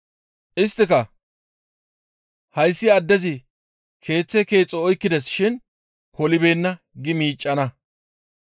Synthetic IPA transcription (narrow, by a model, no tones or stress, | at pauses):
ʔɪst̪ːɪkɐ | hɐjsːɪɐd̪ːɛzɪ | kʰe̞ːt͡sːɛke̞ːt͡sʼːɔɔjkːɪd̪ɛsʃɪn | hɔlɪbe̞ːnːɐ | ɡɪmiːt͡ʃʼːɐnɐ